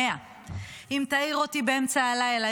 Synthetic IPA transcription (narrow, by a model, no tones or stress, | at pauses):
ea | imt̪aiʁotibeemt͡saːlajela